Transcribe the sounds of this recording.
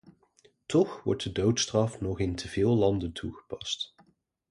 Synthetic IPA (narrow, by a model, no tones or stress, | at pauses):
tɔχʋɔ̰ɹt̚dədowtstrɑfnɔχɪntʰəvɪːlˠlɑndəntʰuχə̥pɑst